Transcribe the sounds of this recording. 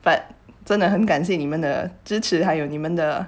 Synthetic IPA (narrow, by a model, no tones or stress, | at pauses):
fanʈ͡ʂənd̪əxənkanɕ̬jɛnimənd̪ə̰ʈ͡ʂɻ̩ʈ͡ʂʰɻ̩xaɪjoʊnimənd̪ə